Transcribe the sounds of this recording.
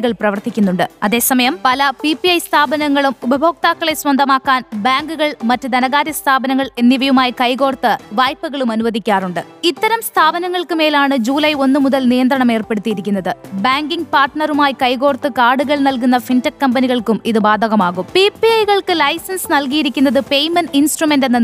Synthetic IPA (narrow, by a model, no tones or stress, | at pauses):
ɣɐɭprɐʋɐrt̪ikʲːunːuɳɖɨɐðe̞ːsɐmɐjɐmpɐlɐpipiɐjst̪ʰaːbɐnɐŋːɐɭumubɐbʱo̞ːk̚t̪aːkːɐɭe̞sʋɐnd̪ʱɐmaːkːaːnbaːŋɡuɣɐɭmɐtːɨd̪ɐnɐɣaːd̪jɐst̪ʰaːbɐnɐŋːɐɭe̞nːiʋɐjumaːjikɐjɣo̞ːrt̪ɨʋaːjpːuɣɐɭumɐnuʋɐd̪ikʲːaːruɳɖɨ | it̪ːɐɾɐmst̪ʰaːbɐnɐŋːɐɭkɨme̞ːlaːɳɨd͡ʑuːlɐjo̞nːɨmuðɐlnijɐnd̪ɾɐɳɐme̞ːrpe̞ɽut̪ːijiɾikʲːunːɐðɨbaːŋɡiŋɡpaːrʈɳɐrumaːjikɐjɣo̞ːrt̪ːɨkaːɽuɣɐɭnɐlk̬unːɐfintɐkːɐmbɐniɣɐɭkumiðɨbaːd̪ʱɐɣɐmaːɣumpipiɐjɣɐɭkɨlɐjsɐnsnɐlk̬ijiɾikʲːunːɐðɨpe̞jmɐninsʈrume̞ndenːen